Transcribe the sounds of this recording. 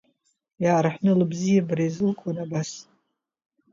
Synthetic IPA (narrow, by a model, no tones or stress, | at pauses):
jaɾaħnɨlɨbzijabɾajzɨlkʷʰʼanabas